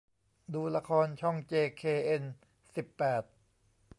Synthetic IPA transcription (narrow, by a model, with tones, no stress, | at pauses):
duː˧la˧kʰɔː˧nt͡ɕʰɔ˥˩ŋt͡ɕeː˧kʰeː˧ʔe˧n | si˨˩pːɛː˨˩t̪̚